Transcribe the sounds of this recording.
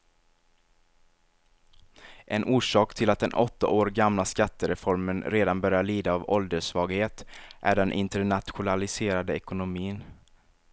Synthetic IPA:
ʔɛnʔuːʂɑːkt̪ʰɪlat̪̚d̪ɛnʔɔt̪ːa̰ʔoːɾɡamlaskat̪ːəɾɛfɔɾmənɾeːd̪anbœɾjaɭiːd̪aːvɔld̪əʂvɑːɡheːt̪ʔæ̰ɖɛnʔɪ̰nt̪əɳat̪ɧʊnalɪseːɾad̪əɛkʊnʊmiːn

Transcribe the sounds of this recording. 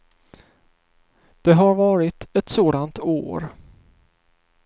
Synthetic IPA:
d̪̥ɛɦaɾvɑːɾɪt̪ɛt̪soːd̪ant̪o̰ːɾ

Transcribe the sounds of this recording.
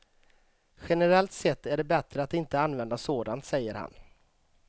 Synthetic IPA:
ɧɛnɛɾɛlt̪sɛt̪ːæɖɛbɛt̪ɾəat̪ɪnt̪əanvɛnd̪asoːd̪ant̪sɛjːəɾha̰n

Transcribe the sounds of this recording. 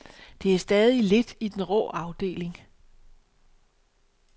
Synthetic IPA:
d̥e̝æɐsd̥ɛːð̞ˠile̝d̥id̥enʁɔ̰ːɑ̈ʊd̥e̝̰ːle̝ŋ

